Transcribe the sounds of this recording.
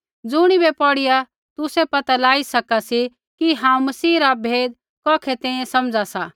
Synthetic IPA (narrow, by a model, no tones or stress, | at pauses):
d͡zʊɽ̃ibɛpɔɽɪja | t̪ʊsepɐt̪alaːisɐkasi | kiɦãːũmɐsiːɾabʱeːd̪̚ | kɔːkʰɛt̪ɛ̃ːĩẽsɐmd͡zasaː